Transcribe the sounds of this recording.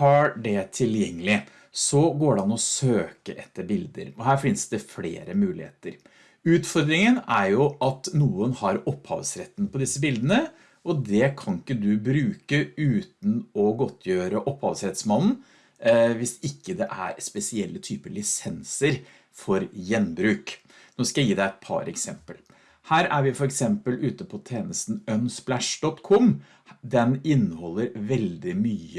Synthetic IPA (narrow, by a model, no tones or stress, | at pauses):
hɑɖɛt̪ʰɪljɛŋːəlɪ | sɔɡoːɖɛnɔsøːkəʔɛt̪ːəɾbɪld̪ə̰ɾɔɦæːɾfɪnsd̪ɛflḛːɾəmʉːlɪ̰hḛːt̪əɾ | ʉːt̪fɔɾd̪ɾɪŋənæɾjʊɑt̪nuːənhɑɾɔpːhɑ̰ːʋsɾɛt̪ːnpʰɔd̪ɪsːəbɪld̪ənə | ʔɔd̪ɛkʰɑnɪkːəd̪ʉbɾʉːkəʉːt̪n̩ɔɡɔt̪ʰːjøːɾəʔɔphɑ̰ːʋsɾɛt̪smɑnn̩ | ʋɪsɪkːəd̪ɛʔæ̰ɾspɛsɪɛlːət̪ʰyːpəɾlɪsɛnsəɾ | fɔɾjɛnbɾʉːk | noːskɑjæjiːd̪æɛt̪̚pʰɑ̰ɾɛ̰ksɛ̰mpəl | hæːɾæɾʋɪfɔɾɛksɛmpəlʉːt̪əpʰɔt̪ʰeːnəst̪n̩œnsplæʂɖ̪ɔt̪ːkʰɔm | d̪ɛnɪnːəhɔlːəɾʋɛld̪ɪmyːə